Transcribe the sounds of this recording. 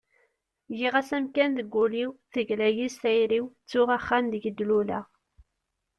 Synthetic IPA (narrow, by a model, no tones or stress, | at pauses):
jiʁæsæmkænðəɡʷːuliwθəʝlæjisæjɾiwt͡sːʊʁæχːænd̪əʝəd̪ːlulæ